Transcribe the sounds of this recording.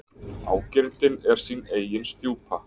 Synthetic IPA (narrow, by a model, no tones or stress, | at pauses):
a̰ːwcɪɾt̪ɪnɛɾ̥sineːjjɪnst̪juːpʰa